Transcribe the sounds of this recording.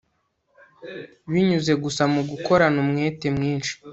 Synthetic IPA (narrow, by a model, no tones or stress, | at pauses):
βiɲuzeɡusamuɡuko̞ɾanumŋeːte̞mŋiːnʃi̥